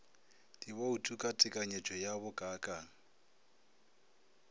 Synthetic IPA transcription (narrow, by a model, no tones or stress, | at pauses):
dʼiβɔutʼukʼatʼɪkʼaɲet͡ʃʼɔjaβʊkʼaːkʼa